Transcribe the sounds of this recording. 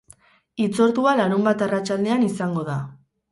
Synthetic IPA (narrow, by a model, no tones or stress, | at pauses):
it͡so̞ɾt̪ualaɾumbat̪arat͡ʃald̪e̞anisaŋɡo̞ða